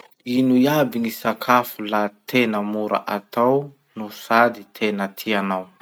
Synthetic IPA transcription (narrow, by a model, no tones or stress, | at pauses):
inujabiŋisakʰafulat̪ʰenəmuɾa̰ʔat̪aw | nusad̪it̪ʰenət̪ʰianaw